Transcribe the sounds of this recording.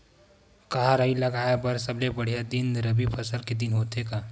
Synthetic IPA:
kaɦaɾəilɐɡaːebɐɾsɐblebɐɽ̤ijad̪ɪnɾəbipʰɐsəlked̪ɪnɦoːt̪ekaː

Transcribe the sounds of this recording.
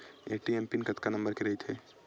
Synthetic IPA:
eʈiempinkɐt̪kanɐ̃mbəɾkeɾɐɦit̪ʰɦeː

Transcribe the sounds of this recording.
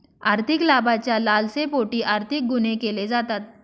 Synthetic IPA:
aːɾt̪ʰɪklaːbat͡ɕjalaːlsepoʈiːʔaːɾt̪ʰɪk̚ɡʊnekeled͡zat̪aːt̪̚

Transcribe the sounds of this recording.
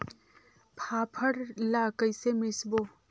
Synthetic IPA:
pʰapʰəɽlakəjsemɪsbo

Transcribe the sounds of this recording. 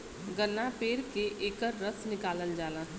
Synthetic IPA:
ɡənːapeːɾkeʔeːkəɾːəsnɪkaːləld͡ʒaːlãː

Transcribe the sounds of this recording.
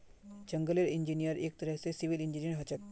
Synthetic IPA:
d͡ʒəŋɡəleɾind͡ʒinijəɾek̚t̪əɾəɦsesiʋilind͡ʒinijəɾɦɐt͡ʃək̚

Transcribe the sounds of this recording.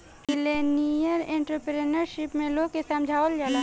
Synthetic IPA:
kɪlenijəɾẽːɳʈɾəpɾenəɾʃɪpmẽloːɡ̚kesaːmd͡ʒʱaːold͡ʒaːla

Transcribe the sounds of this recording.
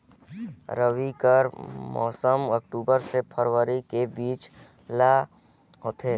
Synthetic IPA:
ɾəʋikəɾmɔ̰ːsəmək̚ʈuːbəɾsepʰəɾwəɾikebiːt͡ʃ | la | ɦoːt̪ʰeː

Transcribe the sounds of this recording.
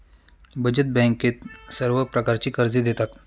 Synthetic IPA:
bʱəd͡ʑət̪̚bɛ̃ŋket̪səɾʋəpɾəkaɾt͡ɕiːkəɾd͡zid̪et̪at̪

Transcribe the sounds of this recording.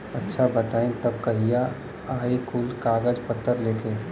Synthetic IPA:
ɐtːʃʰabət̪aːĩt̪ɐb̚kɐɦija | aːikuːlkaːɡəd͡ʒpət̪ːəɾleːkʰe

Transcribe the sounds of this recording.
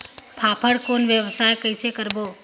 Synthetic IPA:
pʰaːpʰəɽkoːnʋjəʋsaːjkəɪsekəɾboː

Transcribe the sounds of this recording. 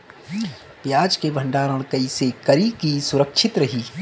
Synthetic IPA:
pjaːd͡ʒkebʱə̃ɳɖaːɾəɽ̃kəisekɐɾikisʊɾəkʃʰɪt̪ɾɐɦiː

